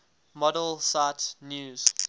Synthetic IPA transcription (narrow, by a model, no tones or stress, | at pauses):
mɔdəlsatnjuːz̥